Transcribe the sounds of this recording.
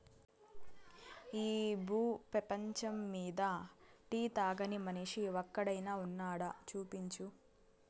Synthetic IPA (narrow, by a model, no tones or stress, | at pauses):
iːbuːpɾɐpɐɲt͡ʃɐmːiːd̪ɐʈiːt̪aːɡɐnimɐniʂiʋɔkːɐɽɐjnaːunːaːɽɐt͡ʃuːpiɲt͡ʃu